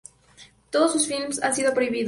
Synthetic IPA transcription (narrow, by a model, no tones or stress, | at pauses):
t̪oðosːusfilmsansiðo̞pɾo̞iβið